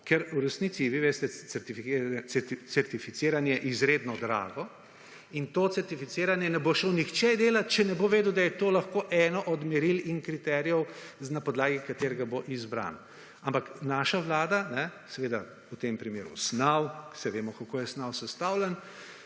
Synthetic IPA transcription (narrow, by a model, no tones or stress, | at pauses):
kɛɾuɾɛsniːt̪siʋiʋest̪ɛt͡s̪ɛɾt̪ifit͡sɛsɛɾt̪ifit̪seːɾanjɛɛʔizɾeːd̪nɔd̪ɾa̰ːɡɔ | int̪ot̪sɛɾt̪ifiseːɾanjɛnɛboʃownixt͡ʃɛd̪eːlat̪t͡ʃɛnɛboʋeːd̪ud̪ajɛt̪oːlɐxkoːʔɛnɔʔɔd̪mɛɾilinkɾit̪ɛɾijɛwnapɔd̪laːɡikat̪eːɾɡaboʔizbɾa̰ːna | ampaknaʃaʋlaːd̪anɛsɛʋeːd̪a | ut̪empɾimeːɾṵsnawsɛʋeːmɔkakoːjɛsnawsɛst̪awlɛn